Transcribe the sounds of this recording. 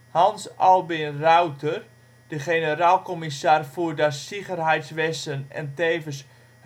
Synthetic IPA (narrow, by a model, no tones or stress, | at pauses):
hɑnsɑlˠbɪnrawtʰər | d̥əχenəɾaːlˠkɔmisaːrfuːdasiɣərɦɛjtsʋɛstənɛ̰nteːvəs